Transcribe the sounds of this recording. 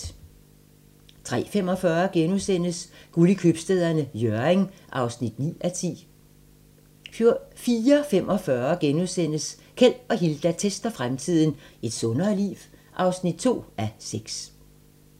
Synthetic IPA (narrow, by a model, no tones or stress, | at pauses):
t͡sʰʁɛ̰ːfem̰ɒ̽fɶːɐɡ̥enuðˠsen̰əsɡ̥ulikʰøb̥sd̥eð̞̰ˠɐnəjøɐeŋʔɑ̈ʊsnid̥nḭːʔæt͡sʰḭː | fiːɐfemʔɒ̽fɶɐɡ̥enuðˠsen̰əs | kʰel̰ɒ̽ɦild̥æt͡sʰesd̥ɐfʁamt͡sʰið̰ˠn̩e̝d̥sɔ̽nɐːlḭːʋʔɑ̈ʊsnid̥̚t͡sʰo̝̰ːæseɡ̥s